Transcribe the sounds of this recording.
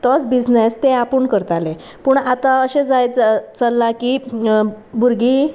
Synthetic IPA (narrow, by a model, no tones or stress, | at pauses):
t̪ɔt͡sbid͡znest̪eapuːɳkəɾt̪ale | puːɳat̪ãəɕẽd͡zajt͡səlːaki | buɾɡi